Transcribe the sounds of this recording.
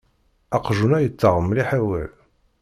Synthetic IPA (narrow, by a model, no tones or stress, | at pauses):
æqʒunæjət͡sːəʁəmliħawæ̰l